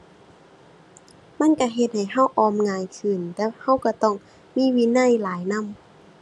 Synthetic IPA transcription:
ma˧˥˨nka˧˩ɦe˧t̪̚ha˨˩jɦa˧˥˨wʔɔː˧˩mŋaː˧jkʰɯː˨˩nt̪ɛː˧˩ha˧˥˩wka˧˩t̪ɔː˧˩ŋ | miː˧˥˨wi˧˨na˧˥˨jlaː˨˦jna˧˥˨m

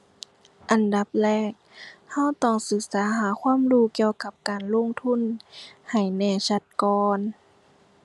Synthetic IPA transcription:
ʔa˨˩nda˧˦p̚lɛː˧˩k̚ha˧˥˨wt̪ɔ˧˩ŋsɯ˧˦k̚saː˨˦ɦaː˨˦kʰwaː˧˥˨mluː˧˩˨ki˧əwka˧˩p̚kaː˨˩nlo˧˥˨ŋt̪ʰu˧˥˨nha˨˩jnɛː˧˩sa˧˦t̪̚kɔː˧n

